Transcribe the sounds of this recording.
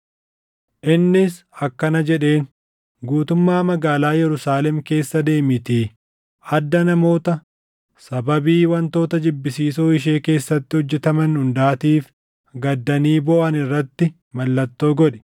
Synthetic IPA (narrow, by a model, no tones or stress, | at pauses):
ʔɪnːɪs | ɐkːɐnɐd͡ʒɛᶑe̞ːn | ɡuːt̪ʊmːaːmɐɡaːlaːjɛɾʊsaːlɛmke̞ːsːɐd̪e̞ːmɪt̪iː | ʔɐd̪ːɐnɐmo̞ːt̪ɐ | sɐbɐbiːwɐnt̪o̞ːt̪ɐd͡ʒɪbːɪsiːsoːɪʃ̬e̞ːke̞ːsːɐt̪ːɪhɔd͡ʒːɛt̪ɐmɐnhʊnd̪aːt̪iːf | ɡɐd̪ːɐniːbɔʔɐnɪrːɐt̪ːɪ | mɐlːɐt̪ːo̞ːɡɔᶑɛ̥